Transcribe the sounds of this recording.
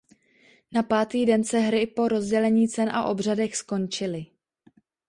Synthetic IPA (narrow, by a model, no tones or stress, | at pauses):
napaːt̪iːdɛnsɛɦɾɪpo̞ɾo̞zɟɛlɛɲiːt͡sɛnʔa̰ʔo̞br̝adɛxsko̞nt͡ʃɪlɪ